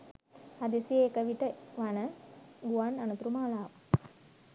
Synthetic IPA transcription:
ad̪isijeːkəʋiʈəʋanəɡuananut̪ɾumaːlaːʋə

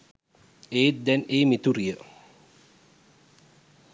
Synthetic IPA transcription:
eːt̪̚d̪ɛneːmit̪uɾijə

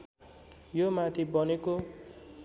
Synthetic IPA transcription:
jomat̪ʰibʌneko

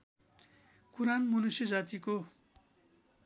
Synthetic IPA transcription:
kuɾanmʌnusjʌd͡zat̪iko

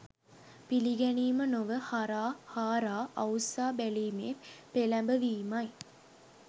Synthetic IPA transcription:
piliɡɛniːmənoʋəhaɾaːhaːɾaːʔɐwsaːbæliːmḛːpelæmbəʋiːmɐj

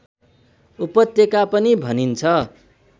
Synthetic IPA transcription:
upʌt̪jekapʌnibʱʌnint͡sʰʌ

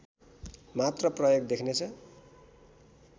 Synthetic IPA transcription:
mat̪rʌprʌjoɡd̪ekʰnet͡sʰʌ

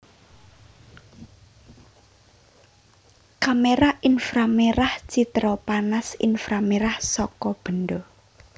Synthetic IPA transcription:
kameɾaʔinfɾameɾaht͡ʃit̪ɾɔpanasḭnfɾameɾahsɔkɔb̥ə̤nɖ̪ɔ

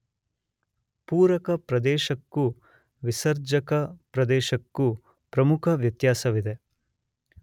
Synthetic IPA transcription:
puːɾɐkɐpɾɐd̪ɛːʃɐkːu | ʋisɐɾd͡ʒɐkɐpɾɐd̪ɛːʃɐkːu | pɾɐmukʰɐʋjɐt̪jaːsɐʋid̪e

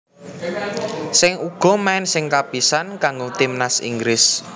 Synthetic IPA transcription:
sɪŋuɡ̥ɔ̤maɪnsɪŋkab̥i̤sankaŋɡot̪imnasḭŋɡɾɪs

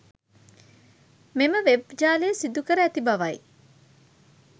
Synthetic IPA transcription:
meməʋebd͡ʒaːlejsid̪ukəɾəæt̪ibɐʋɐj

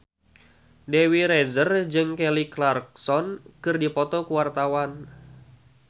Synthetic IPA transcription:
dɛwiɾɛzərd͡ʒɨŋkɛliklark̚sɔnkɨrdipɔt̪ɔkuwart̪awan

